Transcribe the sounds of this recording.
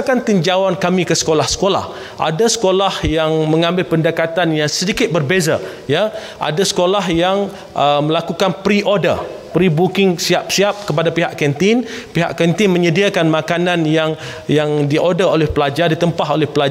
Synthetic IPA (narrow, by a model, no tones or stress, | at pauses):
kant̪iɲd͡ʒawankamĩkəsə̥kolahsə̥kola̰h | ʔa̰dasə̥kolahjaŋmə̃ŋãmbɪlpəndakat̪anjaŋsədikɪt̪̚bərbezaja | ʔa̰dasə̥kolaɦjaŋ | ʔəməlakukanpɾiʔodə̰pɾibukɪŋsiap̚siap̚kəpadapiɦaʔkɛnt̪ɪnpiɦa̰ʔkɛnt̪ɪnmə̃ɲədiakanmãkanãnjaŋ | jaŋdiʔodaolɛhpəlad͡ʒardit̪əmpaɦolɛhpəla